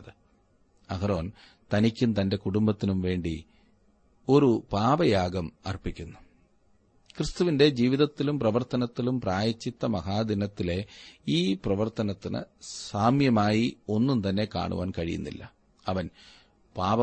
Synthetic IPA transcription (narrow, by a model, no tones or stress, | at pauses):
ðɨ | ɐɣɐɾoːn | t̪ɐnikʲːunt̪ɐnde̞kuɽumbɐt̪ːinumʋe̞ːɳɖi | o̞ɾupaːʋɐjaːɡɐmɐ̰rpikʲːunːu | krɨst̪uʋinde̞d͡ʑiːʋiðɐt̪ːilumprɐʋɐrt̪ɐnɐt̪ːilumpraːjɐt͡ɕːit̪ːɐmɐhaːd̪inɐt̪ːile̞iːprɐʋɐrt̪ɐnɐt̪ːinɨ̰saːmjɐmaːjio̞nːumt̪ɐnːe̞ka̰ːɳṵʋa̰ːnkɐɻḭjṵnːḭlːɐ̰ | ɐʋɐn | paːʋɐ